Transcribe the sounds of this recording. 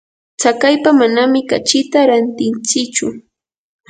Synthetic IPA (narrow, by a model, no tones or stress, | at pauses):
t͡sakajpamanamɪkat͡ʃɪt̪aɾant̪ɪnt͡sɪt͡ʃʊ